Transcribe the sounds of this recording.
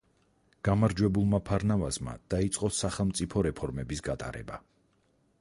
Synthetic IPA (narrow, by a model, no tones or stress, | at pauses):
ɡ̥amaɾd͡ʒwɛbulˠmapʰaɾnavazma̰d̪̥ait̪sʼqʼɔsaχɛlˠmt̪sʼipʰɔɾɛpʰɔɾmɛbisɡat̪ʼa̰ɾɛ̰ba